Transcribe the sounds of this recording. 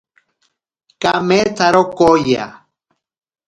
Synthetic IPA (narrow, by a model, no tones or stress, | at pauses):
kamet͡saɾokoja̰